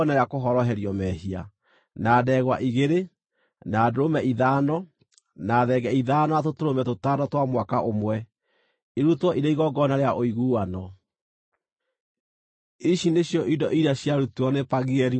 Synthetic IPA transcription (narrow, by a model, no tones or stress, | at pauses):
naɾeakoɦɔɾɔɦɛɾiɔmɛhia̰ | naːdɛɣwaʔiɣeɾe | naːdoɾomɛʔiðanɔ | naːðɛɡɛiðaːnɔatotoɾomɛtotadɔtwamwakaʔomwɛ | iɾutwɔʔiɾeiɣɔɡɔnaɾeaʔoiɣuːwanɔ | iʃineɕjɔʔidɔʔiɾaɕjaɾutuɔnepaɣeɛɾi